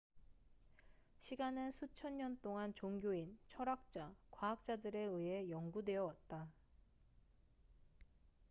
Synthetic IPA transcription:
ɕʰiɡanɯnsʰut͡ɕʰʌnɲʌnt͈oŋant͡ɕoŋɡjoint͡ɕʰʌɾak̚t͡ɕ͈akwaɦak̚t͡ɕ͈adɯɾe̞ɯe̞jʌŋɡudwe̞jʌwat̚t͈a

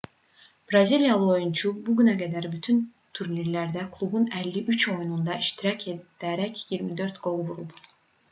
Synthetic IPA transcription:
b̥ɾazilʲjalˠɯo̞junt͡ʃʰubuɟynæɡad̪æɾbyt̪ʰyn | t̪ʰuɾniɾlʲæɾd̪ækʰlˠubunælʲːiʔyt͡ʃʰo̞jnund̪ɑiʃt̪ʰiɾacʰed̪̥æɾɛcjiɾmid̪ø̞ɾt̪ɡ̥o̞lˠvuɾup

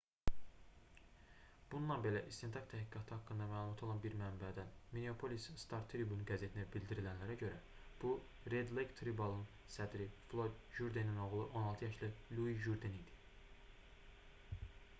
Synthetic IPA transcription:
b̥unulˠɑnbe̞læʔist̪e̞nt̪ʰɑkt̪ʰæhɡiɡɑt̪ʰɯhɑkːɯnd̪ɑmæːlˠumɑt̪ʰo̞lˠɑnbiɾmæmbæd̪ænmineopʰo̞lisst̪ʰɑɾt̪ʰɾibunɡæze̞t̪ʰinæbild̪iɾilænlæɾæɟø̞ɾæ | b̥u | ɾed̪lekt̪ʰɾibɑlˠɯn | sæd̪ɾiflˠo̞d̪ | ʒuɾd̪enino̞ɣlˠɯʔo̞nɑlˠt̪ʰɯjɑʃlælʲuiʒuɾd̪enid̪i̥

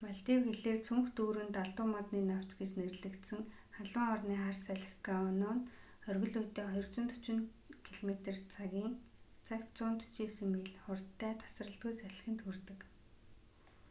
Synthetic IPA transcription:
maɮt̪iːwxeɮeːrt͡sʰuŋxt̪uːɾɘ̆nt̪aɮt̪ʊːmɔt̪niːnaw̥t͡ɕɡet͡ɕnerɮɘ̆kt̪sɘ̆ŋ | χaɮə̆ŋɔrniːχarsæɮʲɪ̆xɡaʊnɔːn | œrɣɵ̆ɮujt̪ːeːχɔjɞ̆rt͡sɞ̆nt̪ʰt͡ɕɪ̆n | kʰiɮomet̪ert͡saɣʲiːŋt͡sʰakt͡sʊːnt̪u̥t͡ɕeːsɘ̆ŋːeɮχʊrt̪ːæːt̪ʰḁsrə̆ɬt̪ɡujt͡sæɮ̆xɘ̆nt̪xurt̪ɘ̆k

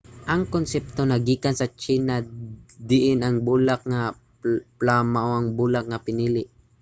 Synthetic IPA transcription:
ʔɐŋkonsɛp̚t̪onaɡiːkansat͡ʃinad̪ɪʔɪnaŋbuːlak̚ŋa | plamaʔoaŋbuːlak̚ŋapɪniːlɪʔ

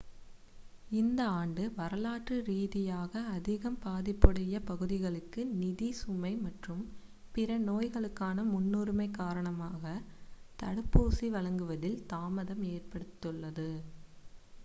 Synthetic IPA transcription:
ɪnd̪ɐaːɳɖɯʋɐɾɐlaːʈrɯɾiːðɪjaːɣɐːðɪɣɐmpaːðɪpːɯɽɐjɐpɐɣɯðɪɣɐɭɯkːɯnɪðisʊmɐɪmɐʈrɯm | pɪɾɐnoːjɣɐɭɯkːaːnɐmʊnːuːɾɯmɐɪkːaːɾɐɳɐmaːɣɐt̪ɐɽɯpːuːsiʋɐɭɐŋɡɯʋɐðɪlt̪aːmɐðɐmeːrpɐɽɯt̪ːɯɭːɐðɯ

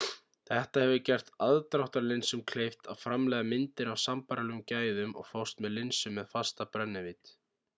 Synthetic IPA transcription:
θɛht̪ahɛvʏcɛr̥t̪aðt̪ɾawht̪aɾlɪnsʏmkʰlejft̪aðfɾamlɛːɣamɪnt̪ɪɾawsampaɾalɛʏmcaːjðʏmɔ̰ɣfawst̪mɛðlɪnsʏmːɛðfast̪apɾœnːɪvɪt̪

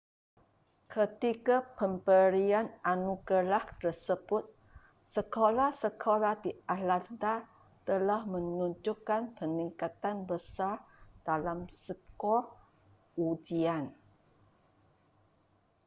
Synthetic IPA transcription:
kʰət̪ikapəmpəɾiananuɡəlaht̪ərsəbʊt̪̚ | səkolasəkʰolahdialant̪a | t̪əlahmə̃nuɲd͡ʒukːanpəniŋkat̪anbəsard̥alamsəkɔ | ud͡ʒian

